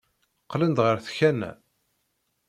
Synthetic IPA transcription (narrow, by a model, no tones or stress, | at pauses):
qːlənd̪ʁəɾθçænæ̰